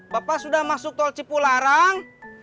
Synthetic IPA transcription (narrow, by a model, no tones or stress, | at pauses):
bapasudahmasʊk̚t̪ɔlt͡ʃipulaɾaŋ